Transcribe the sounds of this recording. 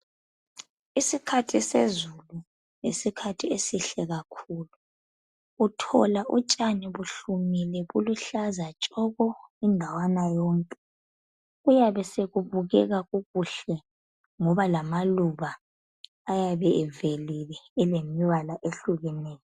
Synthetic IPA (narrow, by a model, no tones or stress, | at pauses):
isikʰatʰisḛzulu | nesikʰatʰiesiɬɛɣakʰuːlu | utʰɔ̰laʔṵt͡ʃʼaniβuɬumilɛɣuluɬazat͡ʃʼɔɣɔindʱawanajɔːŋkʼɛ | ujaβɛseɣuβuɣɛɣaɣuɣuɬɛ | ŋɔβalamaluβaː | jaβɛɛvelilɛːlemiwalaʔeɬuɣɛnɛːjɔ